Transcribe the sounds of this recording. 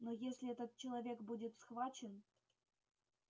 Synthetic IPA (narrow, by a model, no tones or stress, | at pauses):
nojesʲlʲiɛt̪ət̪̚t͡ɕelˠɐvʲekbudʲɪt̪sxvɑt͡ɕən